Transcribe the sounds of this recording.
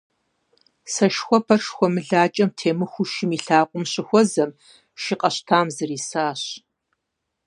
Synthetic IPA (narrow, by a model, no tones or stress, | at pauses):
sɐʃxʷɔpʰɐrʂxʷɔmɨɮaːt͡ʃʼɐmtʰeːmɨxʷʊʃɪmiːɬaːqʷʼʊmɕɪxʷɔzɐm | ʃɪqʼɐɕtʰaːmzɨriːsaːɕ